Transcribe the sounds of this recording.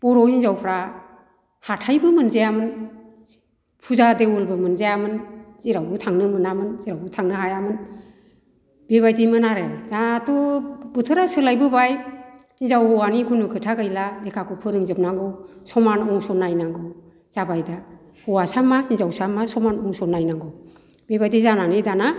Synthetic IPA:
b̥ɔɾɔinzawpʰɾa | hatʰajbɯmɯnzajamɯn | pʰuzadeulbɯmɯnzajamɯnziɾawbɯtʰaŋnɯmɯnamɯnziɾawbɯtʰaŋnɯɦajamɯn | b̥eβajtijmɯnaɾadaːtɔb̥ɯtʰɯɾasɯlajbɯbaj | hinzawɔanikʰunukʰɯtʰaɡɯjlalekʰakʰupʰɯɾɯŋzɯp̚naŋɡɯwsɔmanɔŋsɔnajnaŋɡɯw | z̥abajda | hɔwasamahinzawsamːasɔmanɔŋsɔnːajnaŋɡɯw | b̥ebajtizananedana

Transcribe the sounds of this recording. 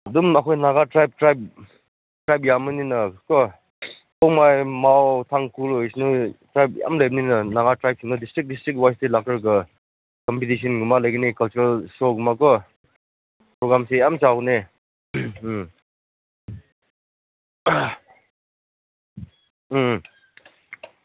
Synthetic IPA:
dumakʰɔjnaɡatɾajp̚tɾajp̚ | tɾajp̚jamɯninɐkɔ | kʰɔmajmawtʰaŋkulɔjsnutɾajp̚ja̰mlajbninɐnaɣatɾajp̚siŋnɐdistɾik̚distɾik̚t̚wajstelak̚taɾɡɐ | kɔmpitis̬ɔnɡumalajɡinikɐlt͡ʃuɾalsɔɡumakɔ | pɾɔɡɾamsejamt͡ʃawne

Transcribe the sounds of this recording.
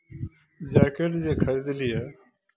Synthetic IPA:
d͡ʒaːkəɾd͡ʑeːkʰəɾiːd̪liːɛː

